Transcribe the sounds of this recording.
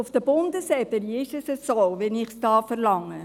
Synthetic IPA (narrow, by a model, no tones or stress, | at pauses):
ʊfd̥əbʊndəsɛbəniɪʃəsəsovɛnɪχsd̥ɑːfəɾlɑŋːə